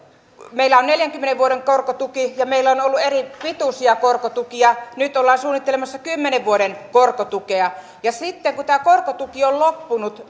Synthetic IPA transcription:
meilːæonneljæŋkymːeneʋʋuoɾeŋkorkot̪ukijɑmeilːæonolːueripit̪usiɑkorkot̪ukiɑnyt̪olːɑːnsuːnit̪ːelemɑsːɑkymːeneʋʋuoɾenkorkot̪ukeɑ | jɑsit̪ːeŋkut̪æːkorkot̪ukiollopːunut̪

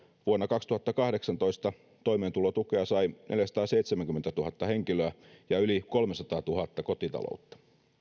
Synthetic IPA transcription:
ʋuonːɑkɑkst̪uhɑt̪ːɑkɑhdeksɑnt̪oist̪ɑ | t̪o̞imeːnt̪ulot̪ukeɑsɑinʔeljæsɑ̥t̪ɑːseit̪semæŋkyment̪æt̪uhɑt̪ːɑheŋkiløæjɑyliko̞lmesɑt̪ɑːt̪uhɑt̪ːɑkot̪it̪ɑ̰lo̰ut̪ːɑ̥

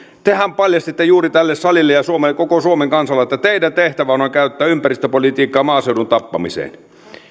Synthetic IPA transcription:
t̪ehæmpɑljɑst̪it̪ːejuːrit̪ælːessɑlilːejɑsuomelːekokosuomeŋkɑnsɑlːeet̪ːæt̪eidænt̪eht̪æʋænojkæyt̪ːæːympærist̪øpolit̪iːkːˑɑːmɑːsewdunt̪ɑpːɑmisḛːn

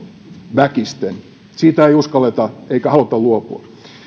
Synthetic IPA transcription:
ʋækist̪en | siːt̪æeiuskɑlːet̪ɑeikæhɑlut̪ɑluopuɑ

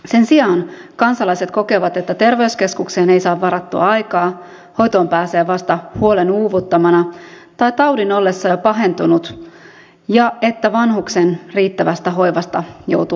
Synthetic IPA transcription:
se̞nsiɑːnkɑnsɑlɑjse̞t̪ko̞ke̞ʋɑt̪et̪ːæt̪e̞rʋeuske̞skukseːne̞jsɑːʋːɑɾɑt̪ːuɑ̰ɑjkɑː | ho̞jt̪oːmpæːse̞ːʋɑst̪ɑhuo̞lenuːʋut̪ːɑmɑnɑ | t̪ɑjt̪ɑwdino̞lːe̞sːɑɑpɑɦe̞nt̪unut̪ | jɑe̞t̪ːæʋɑnhuksenriːt̪ːæʋæst̪æɦo̞jʋɑst̪ɑjo̰wt̪u

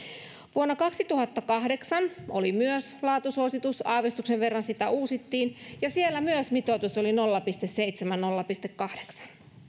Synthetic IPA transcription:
ʋuonːɑkɑksit̪uhɑt̪ːɑkɑhde̞ksɑno̰limyøslɑːt̪usuosit̪usɑːʋest̪ukseʋʋerːɑnsit̪æʔuːsit̪ːiːnjɑsielːæmyøsmit̪ot̪usolinolːɑpist̪esseit̪semænnolːɑpist̪ekːɑhdeksɑ̥n

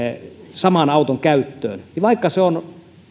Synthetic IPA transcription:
sɑmɑnɑut̪oŋkæyt̪ːø̰ːnniʋɑikːɑseon

